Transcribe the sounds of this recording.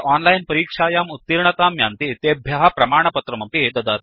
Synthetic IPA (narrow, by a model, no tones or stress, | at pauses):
ʔaːnlajnpɐɾiːkʂaːjaːmut̪ːiɾɳɐt̪aːmja̰ːnt̪it̪eːbʱjɐɦɐpɾɐmaːɳɐpɐt̪ɾɐmɐpid̪ɐd̪aːt̪̚